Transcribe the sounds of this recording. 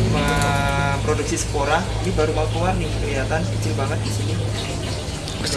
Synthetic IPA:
mə | pɾoduk̚sisə̥koɾahinibaɾuwalkowarnikəliɦat̪ankət͡ʃɪlbaŋət̪̚ɡ̥isini

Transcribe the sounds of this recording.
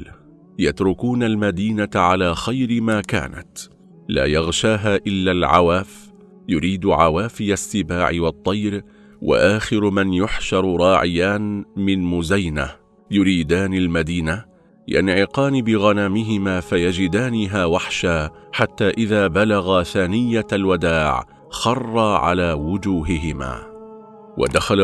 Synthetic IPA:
jat̪ɾʊkuːnalmad̪iːnat̪ʕalaːxajɾɪmaːka̰ːna̰t̪ | la̰ːjɑɣʃaːɦaːʔɪlːalʕa̰waːf | jʊɾiːd̪ʕawaːfɪjasːɪbaːʕɪwɑt̪ˤːɑjɾ | wa̰ʔaːxɪɾmanjʊħʃɑɾˤɾˤɑːʕɪjaːnmɪnmʊzajna̰ | jʊɾiːd̪aːnɪlmad̪iːna | ja̰nʕɪqɑːnɪbɪɣanaːmɪɦɪmaːfajad͡ʒɪd̪aːnɪɦaːwaħʃaː | ħat̪ːaːʔɪðaːbalaɣaθaːnɪjːalwad̪aːʕ | xɑrˤːɑːʕa̰laːwʊd͡ʒuːɦɪɦɪma̰ː | wa̰d̪axal

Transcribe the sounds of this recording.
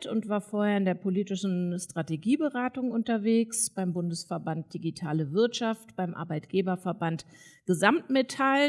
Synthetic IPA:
tʊntv̥aːɐfoːɐheːɐɪndeːɐpʰoliːtɪʃn̩stʁ̥ateɡiːbəʁaːtʊŋʔʊntɐveːksb̥aɪmbʊndəsfɛɐbant̚d̥iɡitʰaːləvɪɐtʃaftb̥aɪmʔa̰ɐbaɪtɡ̥eːbɐfɛɐbant | ɡ̥əzamtmetʰal

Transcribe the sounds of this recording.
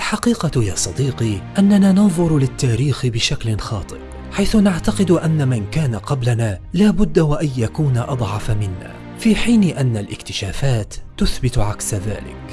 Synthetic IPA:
ʔʔalħɑqiːqɑjaːsˤɑd̪iːqiʔanːanaːnɑðˤʊɾlɪt̪ːaːɾiːxbɪʃaklɪnxɑːt̪ˤɨɾ | ħajθʊnaʕt̪aqɪd̪ʔanːamankaːnaqɑblanaːlaːbʊd̪ːawaʔajjakuːnaʔɑd̪ˤʕɑfamɪnːa̰ː | fiːħiːnɪʔanːalʔɪkt̪ɪʃaːfaːt̪ːʊθbɪt̪ʕaksaða̰ːlɪ̰k

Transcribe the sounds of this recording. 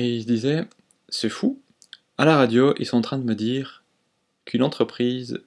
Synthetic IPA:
eilsd̪izɛ | sɛfu | alaʁad̪joʔḭlsɔ̃ɑ̃t̪χɛ̃d̪əməd̪iːʁ | kʰynɑ̃t̪χəpχiːz

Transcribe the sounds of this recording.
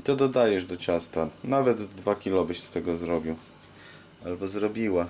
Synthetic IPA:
it̪ɔd̪ɔd̪ajɛʐd̪ɔt͡ɕast̪anavɛt̪d̪vakʲilɔbɘɕst̪ɛɡɔzɾɔbʲiw | albɔzɾɔbʲiwa

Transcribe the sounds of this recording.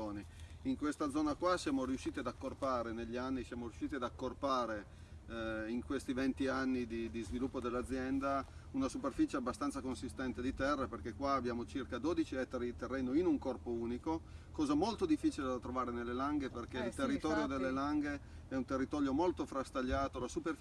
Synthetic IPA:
oːniiŋkwest̪ad̪zːɔːnakwasjaːmoɾijuʃːiːt̪iad̪akːorpaːɾeneʎːianːisjaːmoɾjuʃːiːt̪iad̪akːorpaːɾe | iŋkwest̪ivent̪ianːid̪id̪izvilupːod̪elːad̪zːjɛnd̪a | unasuperfit͡ʃeabːast̪ant̪sakonsist̪ɛnt̪ed̪it̪ɛrːaperkekwaːbːjaːmot͡ʃirkad̪oːd̪it͡ʃiɛt̪ːaɾid̪it̪erːɛːnoinuŋkɔrpouːniko | kɔːzamolt̪od̪ifːiːt͡ʃiled̪at̪ːɾovaːɾenelːelaŋɡeperk̟eilt̪erːit̪ɔːɾjod̪elːelaŋɡe | ɛunt̪erːit̪ɔːljomolt̪ofɾast̪aʎːaːt̪olasuper

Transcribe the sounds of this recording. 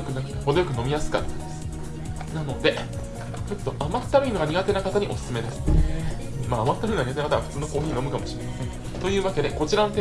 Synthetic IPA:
kɯ̟nhod̪o̞jokɯ̟no̞mʲijasɨ̥ka̰t̪ːad̪es | nano̞d̪e̞ | ɯt̪ːo̞ʔamat̪ːaɾɯ̟ino̞ɡaɲ̟iɡat̪e̞nakat̪aɲ̟iʔo̞sɨ̥sɨme̞d̪e̞sɨ̥ | maːmat̪ːaɾɯ̟ːnɡaɲiatenakat̪aaɸɯ̟̥t͡sɨːno̞koːçʲiino̞mɯ̟kamo̞ɕiɾen | t̪o̞jɯ̟ːβake̞d̪e̞ko̞t͡ɕiɾanot̪e

